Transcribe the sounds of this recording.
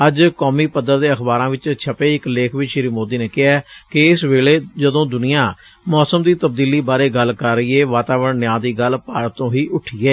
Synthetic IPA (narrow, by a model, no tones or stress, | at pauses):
əd͡ʒkɔːmiːpəd̪əɾd̪eːəxbaːɾãːʋɪt͡ʃt͡ʃʰəpeːɪkleːkʰʋiʃɪɾiːmoːd̪iːneːkɪɛːkɪɪsʋeːɭeːd͡ʒəd̪õːd̪ʊnɪjãː | mɔːsəmd̪iːt̪əb̚d̪iːliːbaːɾeːɡəlkəɾːəiːeːʋaːt̪aːʋəɳnɪjãːd̪iːɡəlpaːɽt̪ːõːɦiːʔʊʈʰːiːɛː